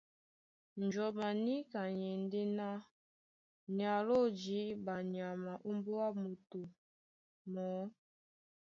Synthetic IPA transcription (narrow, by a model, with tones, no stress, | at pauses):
n˨d͡ʒɔ˨ma˨ni˦ka˨ɲe˨n˦de˦na˦ | ɲ˨a˨lo˦˨d͡ʒi˨˦ba˨ɲi˨a˨ma˨ʔu˦mbo˦a˦mu˨tu˨ | mɔː˨˦